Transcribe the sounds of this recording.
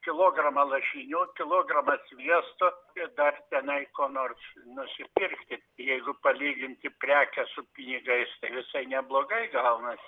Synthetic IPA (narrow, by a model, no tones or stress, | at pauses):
kʲɪlˠoːɡrɐmɐlˠɐʃʲinʲuːkʲɪlˠoːɡrɐmɐsʋʲiɛst̪oːt̪ɪd̪ɐrt̪ʲɛnɐɪkoːnoːrsnʊsʲɪpʲɪrkt̪ʲɪ | jɛɪɡʊpɐlʲiːɡʲɪnʲt̪ʲɪpʲrʲæːkʲɛsʊpʲɪnʲɪɡɐɪst̪ɐɪʋʲɪsɐɪnʲɛblˠoːɡɐɪɡɐʊnɐ